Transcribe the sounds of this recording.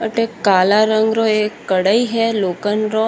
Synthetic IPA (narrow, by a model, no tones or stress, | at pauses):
əʈekalaɾəŋɡɾoekːəɽaiɦɛlokənɾo